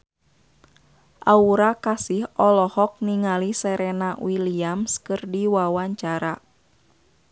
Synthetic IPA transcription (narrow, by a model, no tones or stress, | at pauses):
ʔauɾakasɪhɔlɔhɔk̚niŋalisɛɾɛnawiliamskɨrdiwawaɲt͡ʃaɾa